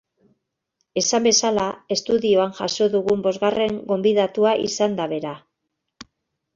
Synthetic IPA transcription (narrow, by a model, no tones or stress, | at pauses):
e̞sambe̞salae̞st̪uðioanʝaso̞ðuɣumbo̞zɣare̞ŋɡo̞mbiðat̪uaʔḭsand̪aβe̞ɾa